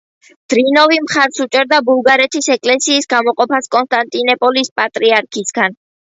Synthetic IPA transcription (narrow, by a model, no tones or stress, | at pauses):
d̪̥ɾinɔvimχaɾsut͡ʃʼɛɾd̪abulˠɡaɾɛt̪ʰisɛkʼlɛsiːsɡamɔqʼɔpʰaskʼɔnst̪ʼant̪ʼinɛpʼɔlispʼat̪ʼɾiaɾkʰisɡan